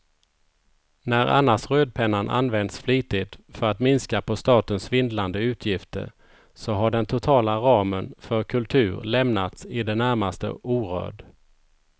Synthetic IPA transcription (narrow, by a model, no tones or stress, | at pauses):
næɾa̰nːaʂɾøːd̪̚pʰɛnːanʔa̰nːvɛnd̪sfliːt̪ɪd̪fœɾat̪mɪnskapʰɔst̪ɑːt̪ənsvɪnd̪land̪əʉ̟ːt̪ʰjɪft̪ə̰ɾ | sɔɦaɖɛnt̪ʰʊt̪ʰɑːlaɾɑːmənfœɾkʰɵlt̪ʰʉ̟ːɾlɛmnat̪sɪd̪ɛnæɾmast̪ə̰ʔuːɾø̰ːɖ